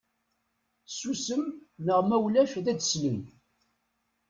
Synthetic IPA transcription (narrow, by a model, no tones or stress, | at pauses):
susəmnəʁmæwlæʃðæd̪sləm